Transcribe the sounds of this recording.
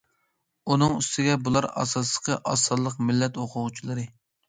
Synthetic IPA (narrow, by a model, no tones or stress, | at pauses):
unɨŋyst̪ʰɪɡʲɛbulˠɑɾɑ̰sɑsˠə̥qʰəʔɑsɑlˠːəqmɪlːɛt̪oqʰʊʁt͡ʃʰilˠɨɾɨ